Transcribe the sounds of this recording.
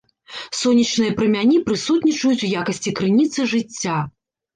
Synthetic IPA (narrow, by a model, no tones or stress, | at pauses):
sɔnʲːit͡ʂnɨjɐpɾɨmʲanʲipɾɨsut̪nʲit͡ʂɐjut͡sʲujakɐsʲt͡sʲikɾɨnʲit̪sɨʐɨt͡sʲːa